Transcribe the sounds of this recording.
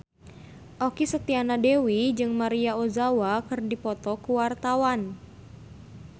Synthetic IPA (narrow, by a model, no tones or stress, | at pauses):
ʔokisət̪ianadewid͡ʒɨŋmaɾiaozawakɨrdipɔt̪ɔkuwart̪awan